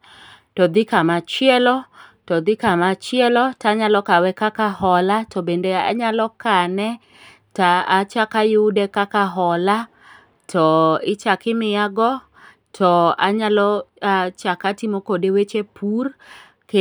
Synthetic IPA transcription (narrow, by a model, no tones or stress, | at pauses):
tɔd̪ɪkamat͡ʃɪɛlɔtɔd̪ɪkamat͡ʃɪɛlɔtaɲalɔkawɛkakahɔlatɔbendea̰ɲalɔkanɛ | taat͡ʃakajʊdekakaɦɔla | tʰɔɪt͡ʃakɪmɪjaɡɔ | tʰɔa̰ɲalɔat͡ʃakatimokodewet͡ʃepʰur | k